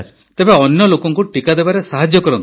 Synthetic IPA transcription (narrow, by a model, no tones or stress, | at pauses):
ɾ | t̪ebeɔnjɔlokɔŋkuʈikad̪ebaɾesaɦad͡ʒjɔkɔɾɔnt̪